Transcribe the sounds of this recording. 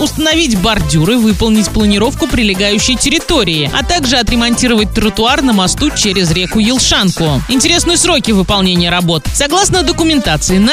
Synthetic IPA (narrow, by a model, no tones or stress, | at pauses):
ʊst̪ənɐvʲitʲbɐrdʲuɾɨvɨpəlˠnʲɪtʲplˠənʲɪɾo̞fkʊpɾʲɪlʲɪɡajʉɕːɪjtʲɪɾʲɪt̪o̞ɾʲɪːɪɐ̰t̪aɡʐɨɐt̪ɾʲɪmɐnʲtʲiɾəvət̚ʲt̪ɾət̪ʊarnəmɐst̪ut͡ɕeɾʲɪzɾʲekʊjɪlˠʂankʊɪnʲtʲɪɾʲe̞snɨjəsɾo̞kʲɪvɨpɐlˠnʲenʲɪjəɾɐbo̞t̪sɐɡlˠasnəd̪əkʊmʲɪnt̪at̪sɨɪn